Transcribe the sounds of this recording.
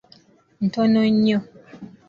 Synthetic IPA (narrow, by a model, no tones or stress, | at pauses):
n̩tɔnɔ̃ɲɔ̃